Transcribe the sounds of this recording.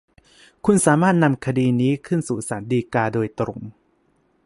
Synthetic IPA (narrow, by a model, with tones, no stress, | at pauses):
kʰu˧nsaː˩˦maː˥˩t̪̚na˧mkʰa˧diː˧niː˦˥kʰɯ˥˩nsuː˨˩saː˩˦ndiː˧kaː˧doː˧jt̪ɾo̰˨˩˦m